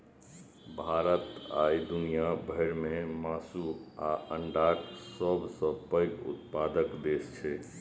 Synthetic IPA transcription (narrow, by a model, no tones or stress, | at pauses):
bʱaɾət̪a̰id̪unijabʱəɪɾmemasuaəɳɖaksəbʱsə̃pəɪkṵt̪̚pad̪əkd̪est͡ʃʰɛ